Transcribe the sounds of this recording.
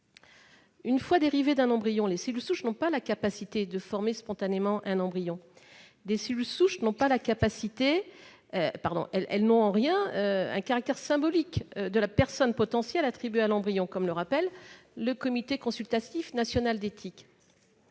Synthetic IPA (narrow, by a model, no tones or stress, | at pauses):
ynfwad̪eʁived̪ɛ̃nɑ̃bʁijɔ̃lesilsuʃnɔ̃palakapasit̪ed̪əfɔʁmespɔ̃t̪anemɑ̃ʔɛ̃nɑ̃bʁijɔ̃ | d̪esilsuʃnɔ̃palakapasit̪e | paʁd̪ɔ̰̃ʔɛlɛlnɔ̃ɑ̃ʁjɛ̃øɛ̰̃kaʁak̚t̪ɛʁsɛ̃bɔlikød̪əlapɛʁsɔnpɔt̪ɑ̃sjɛlat̪χibɥealɑ̃bʁijɔ̃kɔmləʁapɛlː | əkɔmit̪ekɔ̃sylt̪at̪ifnasjɔnald̪et̪ʰik